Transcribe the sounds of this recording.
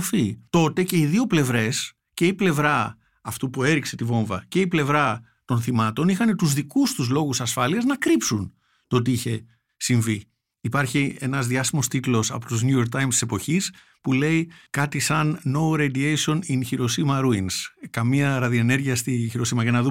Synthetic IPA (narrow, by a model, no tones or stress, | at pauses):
fit̪o̞t̪e̞ce̞iðio̞ple̞vɾe̞s | ce̞iple̞vɾɐː | ft̪upue̞ɾikse̞t̪ivo̞ɱvɐ̰ce̞iple̞vɾɐ | t̪o̞nθimɐt̪o̞nixɐne̞t̪uzðikust̪uzlo̞ɣusɐsfɐliɐznɐkɾipsun | t̪ot̪̬iiçe̞ | siɱviː | pɐɾçie̞nɐzðiɐsimo̞st̪it̪lo̞sɐ̰pot̪uznujoɾkt̪ɐjmst̪i̥se̞po̞çis | pule̞ikɐt̪isɐnːo̞wɾed̪iejsio̞ninçiɾo̞simɐɾuinskɐmiɐɾɐðione̞ɾʝiɐst̪içiɾo̞simɐʝɐnɐðu